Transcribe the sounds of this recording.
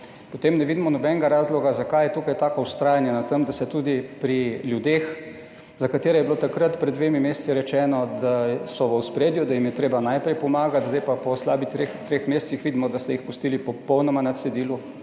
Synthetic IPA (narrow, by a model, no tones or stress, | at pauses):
pɔt̪eːmnɛʋiːd̪imɔnɔbɛnɡaɾaːzlɔɡazakajɛt̪uːkajt̪aːkɔust̪ɾaːjanjanat̪əmd̪asɛt̪ud̪ipɾiljud̪ex | zakat̪eːɾɛjɛbilot̪akɾat̪pɾɛd̪d̪ːʋeːmimeːssiɾɛt͡ʃɛːnɔd̪asɔʋəwspɾeːd̪jud̪ajimjɛt̪ɾeːbanajpɾɛjpɔmaːɡat̪zd̪ajpapɔslaːbit̪ɾext̪ɾexmeːst̪sixʋid̪imɔd̪ast̪ɛjixpust̪iːlipɔpɔwnɔmanat̪sɛd̪iːlu